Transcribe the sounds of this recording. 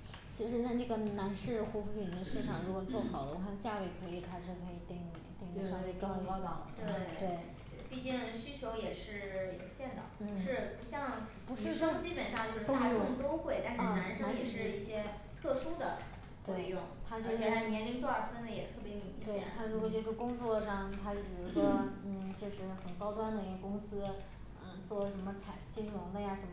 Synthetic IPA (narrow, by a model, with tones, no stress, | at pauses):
t͡ɕʰi˧˥ʂɻ̩˧˥t͡sa˥˧ɪʈ͡ʂɤ˥˩ɡə˩na˧˥nʂɻ̩˥˩xu˧˥fu˧˥pʰi˧˥ŋd̪ə˧ʂɻ̩˥˩ʈ͡ʂʰɑ˨˩ŋɻu˧˥kwɔ˨˩t͡swɔ˥˩xɑ˨˩ʊd̪ə˦wɕɑ˥˧t͡ɕja˥˧we˥˩ɪkʰɤ˧˥i˨˩t̪ʰa˥ʈ͡ʂʰɤ˥˩kʰɤ˧˥i˨˩t̪i˥˧ŋu˥˩t̪i˥˩ŋ˧ʂa˥˧kɑ˥˧tɑ˨˩˧t̪we˥˩ɪtt̪we˥˩ɪ˥˧ | pi˥˧t͡ɕi˥˩ŋɕy˥t͡ɕʰjo˧˥ʊjɛ˨˩ʂɻ̩˥˩jo̰˨˩ʊɕjɛ˥˩nd̪ɑə̰˨˩n̩˥˧˩ʂɻ̩˥˧˩pu˧˥ɕjɑ˥˧ŋpu˧˥ʂɻ̩˥˧ɑ˥˧t͡ɕi˥pə˨˩nʂɑ˥˧ŋt͡ɕjo˥˧ʊʂɻ̩˥t̪t̪o˥ʊxwe˥˩ɪt̪a˥˧nʂ̩˥˧˩na˧˥nʂɤ˥˧jɛ˨˩ʂɻ̩˥˧i˥˩ɕjɛ˥ | t̪ʰɤ˥˩ʂu˥d̪ə̰˨ | t̪we˥˧ɪjʊ˥˩ŋt̪ʰa˥t͡ɕjo˥˧ʊʂna˥˩njɛ˧˥nli˧˥ŋt̪wa˥˩fə˥nd̪ə˨jɛ˨˩t̪ʰɤ˥˩pjɛ˥jo˥˩˨t̪e˥˩jɛ̰˥˧t̪ʰa˥ɻu˧˥kwɔ˧˩t͡ɕjo˥˧ʊʂ̩˥˩kʊ˥ŋt͡swɔ˥˧ʂɑ˥˩ŋt̪ʰa˥t͡ɕo˥˩pi˨˩ɻu˥ʂwɔ˥n̩˥˩t͡ɕjo˥˧ʂɻ̩˥˩xə˨˩nkɑ˥ʊt̪wa˥nd̪ə˨i˧˥ɡə˧kʊ˥ŋsɹ̩˥ | ə˧˩t͡swɔ˥˩ʂə˧˥nmə˧t͡sʰa˨˩ɪt͡ɕi˥ŋɻʊ˧˥ŋd̪ə˧ja˥˩ʂə˧˥mə˩